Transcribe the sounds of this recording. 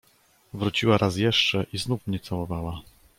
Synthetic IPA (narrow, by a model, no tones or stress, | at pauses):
vɾut͡ɕiwaɾʔasjɛʂt͡ʂɛʔiznufmɲɛt̪sawɔvawa